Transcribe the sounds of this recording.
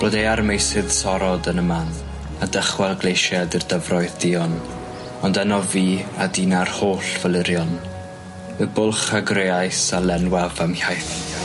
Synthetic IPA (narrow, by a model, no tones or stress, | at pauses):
oːdejarmejsɪð̥sɔɾɔdənəman | adəχwɛlˠɡlˠejʃɛdɨrdəvrɔɨðdɪɔn | ɔndanɔviːadiːnarhoːɬvəlˠɪɾjɔn | əbʊlˠχaɡreajsalɛnwavamhajθ